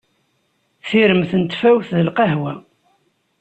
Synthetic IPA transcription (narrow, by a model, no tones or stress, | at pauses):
θiɾəmθənt̪fæwθðəlqɑɦwæ